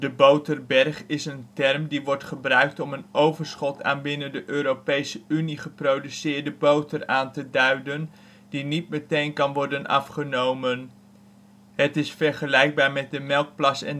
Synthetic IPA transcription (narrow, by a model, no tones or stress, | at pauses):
d̥əbowtərbɛrχɪsəntɛrmdiʋɔɹtχəbrœɥk̚tɔmənowvəɹsχɔtʰa̰ːnbɪnəndəʔøːɾopejsəyniχəprowdysɪːɹdəbowtəraːntədœɥdən | d̥init̚mətejnkɑnʋɔɹdənɑ̰fχənowmən | ɦətɪsfɛɹχəlɛjɡ̚baːɹmɛt̚dəmɛlˠk̚plɑsɛ̰n